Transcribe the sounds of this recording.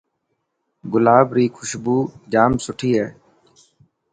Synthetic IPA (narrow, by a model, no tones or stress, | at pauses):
ɡʊlaːbɾiːkʰʊʃbuːd͡ʒaːmsʊʈʰiːɦɛː